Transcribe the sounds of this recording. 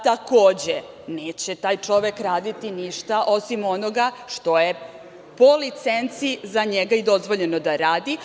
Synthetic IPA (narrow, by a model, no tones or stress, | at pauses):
t̪akoːd͡ʑe | neːt͡ɕet̪aːjt͡ʂo̞ʋekɾaːd̪it̪iniʃt̪aʔo̞simonoɡaʃt̪o̞je | po̞lit̪sent̪sizaɲeɡaid̪o̞zʋo̞ʎeno̞d̪aɾaːd̪i